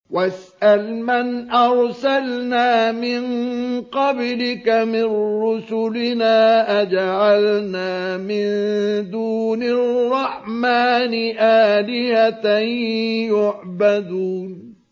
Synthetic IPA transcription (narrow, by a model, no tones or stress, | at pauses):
wasʔalmanʔɑɾˤsalnaːmɪnqɑblɪkamɪnɾʊsʊlɪnaːʔad͡ʒaʕalnaːmɪnd̪uːnarrˤːɑħmaːnɪʔaːlɪhat̪ajʊʕbad̪uːn